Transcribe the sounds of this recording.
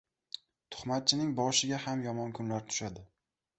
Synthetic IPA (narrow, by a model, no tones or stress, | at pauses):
t̪ʰʊ̥χmat̪̚t͡ʃʰɪnɪŋbɒʃɪɡʲahamjɒmɒnkʰʊnlaɾt̪ʰʊ̥ʃad̪ɪ